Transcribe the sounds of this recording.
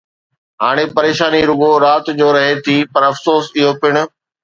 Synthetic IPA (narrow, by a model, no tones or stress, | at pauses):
ɦaːɽ̃epɐɾeːʃaːniɾʊɠoɾaːt̪d͡ʑoːɾɐɦet̪ʰiːpɐɾɐfsoːsɪɦopɪɽ̃ʊ̆